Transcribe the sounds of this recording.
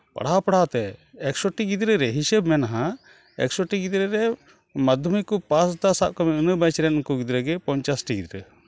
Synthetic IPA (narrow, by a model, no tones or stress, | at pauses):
pa̰ɽaɦapɐɽ̤awt̪ɛɛksoʈiɡid̪ɾɛɾɛɦisɛbmɛnaɦa | ɛ̰ksɔʈiɡid̪ɾɛɾɛ | mad̪ʱumikupasd̪asaʔkɔmɛɨnəbãt͡ʃɾɛnŋkuɡid̪ɾɛɡɛpɔɲt͡ʃasʈiɡid̪ɾɛ